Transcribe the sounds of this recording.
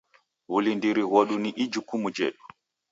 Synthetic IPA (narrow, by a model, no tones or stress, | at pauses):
βulindiɾiɣɔɗuniʔid͡ʒukumud͡ʒɛ̰ɗu